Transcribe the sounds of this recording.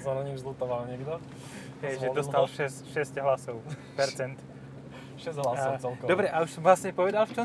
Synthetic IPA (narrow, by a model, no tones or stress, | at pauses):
sanaɲizlut̪ɔʋalɲɛɡd̪o | kɛjʒɛdost̪alʃɛsʃɛscɦlasoʊpɛɾt͡sɛnt̪ | ʃɛzd̪ɦlasot͡sɛlkɔdobɾɛʔauʃsɔmvlasɲɛpoʋɛd̪alft͡ʃɔ